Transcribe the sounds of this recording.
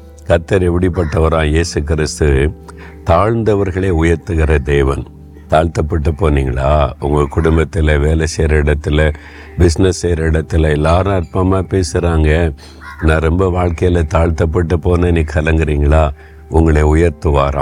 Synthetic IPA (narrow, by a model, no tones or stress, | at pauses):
kɐɾt̪ːɐɾɛpːɐɽipːɐʈːɐʋɐɾãːjeːsɯkɪɾɪst̪ɯ | t̪aːɻnd̪ɐʋɐɾɣɐɭeːʊjɐɾt̪ːɯɣɪɾɐd̪eːʋɐn | t̪aːɻt̪ɐpːɐʈːɯpːoːniːŋɡɐɭaːʊŋɡɐkʊɽʊmbɐt̪ːɪlɐʋeːlɛseːɾɐɪɽɐt̪ːɪlɐ | bɪsnɐsːeːɾɐɪɽɐt̪ːɪlɐɛlːaːɾʊ̃ɐɾpɐmaːpeːsɯɾaːŋɡɐ | nãːɾɛmbɐʋaːɻkɐjɐlɐt̪aːɻt̪ɐp̬ːɐʈːɯpːoːnɐniːkʰɐlɐŋɡɪɾiːŋɡɐɭaː | ʊŋɡɐɭeːʊjɐɾt̪ɯʋaːɾã̰ː